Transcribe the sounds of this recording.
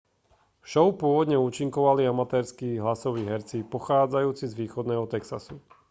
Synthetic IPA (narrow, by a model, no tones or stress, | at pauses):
ʃɔʊpʊɔʋɔd̪ɲɛuːt͡ʃiŋkɔʋaliamat̪ɛːɾskiːɦlasɔʋiːɦɛɾt͡sipɔxaːd͡zajuːt͡sizʋiːxɔd̪nɛːɦɔt̪ɛksa̰su